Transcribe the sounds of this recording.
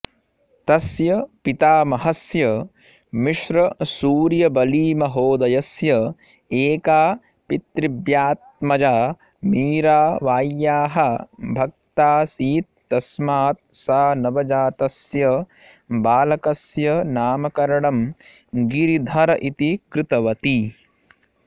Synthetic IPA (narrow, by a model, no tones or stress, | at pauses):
t̪ɐsjɐpit̪aːmɐɦɐsjɐ | miʃɾɐsuːɾjɐbɐliːmɐɦoːd̪ɐjɐsjɐ | eːkaː | pit̪ɾibjaːt̪̚mɐd͡ʒaː | miːɾaːʋaːjːaːɦɐbʱɐk̚t̪aːsiːt̪̚ːɐsmaːt̪̚saːnɐʋɐd͡ʒaːt̪ɐsjɐ | baːlɐkɐsjɐnaːmɐkɐɾɐɳɐm | ɡiɾid̪ʱɐɾɐʔit̪ikɾɪt̪ɐʋɐt̪i